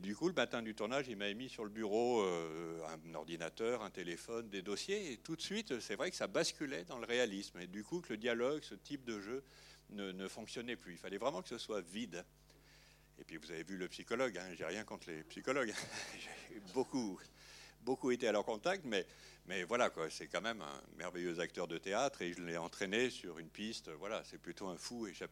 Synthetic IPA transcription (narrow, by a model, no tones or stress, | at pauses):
d̪ykuləmat̪ɛ̃d̪yt̪uʁnaʒilmavɛmisyʁləbyʁoøɛ̰̃nɔ̰ʁd̪inat̪œʁɛ̃t̪elefɔnd̪ed̪ɔsjeːt̪ut̪sɥit̪øsɛvʁɛkəsabaskʲylɛd̪ɑ̃ləʁealismed̪ykukələd̪jalɔɡsət̪ip̚d̪əʒønənəfɔ̃ksjɔnɛplyilfalɛvʁɛmɑ̃kə̥səswavid̪ | ḛpɥivuzavevyləpsikɔlɔɡɛ̃ʒeʁjɛ̃kɔ̃t̪χlepsikɔlɔɡɛ̃ʒeboku | bokuet̪ealœʁkɔ̃t̪ak̚t̪mɛ | mɛvwalakwasɛkɑ̃mɛmɛ̰̃mɛ̰ʁvɛjøzakt̪œʁd̪ət̪eat̪χeʒəlɛɑ̃t̪χenesyʁynpist̪øvwalasɛplyt̪oɛ̃fueʃap